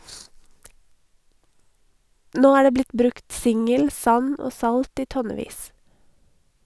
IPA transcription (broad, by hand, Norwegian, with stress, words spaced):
ˈnoː ˈæː ˈɖeː ˈblɪt ˈbɾʉkt ˈsɪŋəl ˈsɑn ˈoː ˈsɑlt ˈiː ˈtɔnɛˌʋiːs